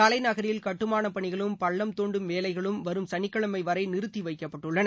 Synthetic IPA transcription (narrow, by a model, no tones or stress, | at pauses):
ɐlɐɪnɐɣɐɾɪjɪlkɐʈːɯmaːnɐpɐɳɪɣɐɭɯmpɐɭːɐmt̪oːɳɖɯmʋeːlɐɪɣɐɭɯmʋɐɾɯmsɐɳɪkːɐɭɐmɐɪʋɐɾɐɪnɪɾɯt̪ːiʋɐɪkːɐpːɐʈːɯɭːɐnɐ